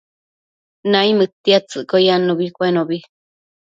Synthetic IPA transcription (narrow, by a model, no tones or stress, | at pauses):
naimɨt̪ːiat͡sɨʔkojanoβikʷenoβi